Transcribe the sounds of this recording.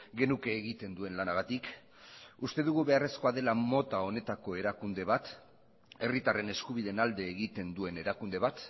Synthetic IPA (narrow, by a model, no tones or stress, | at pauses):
ɡe̞nuke̞ːɣit̪e̞nd̪ue̞nlanaɣ̞at̪ik | ust̪e̞ðuɣ̞uβe̞are̞sko̞aðe̞lamo̞t̪ao̞ne̞t̪ako̞e̞ɾakund̪e̞β̞at̪ | e̞rit̪are̞ne̞skuβ̞iðe̞nald̪e̞ːɣit̪e̞nd̪ue̞ne̞ɾakund̪e̞βat̪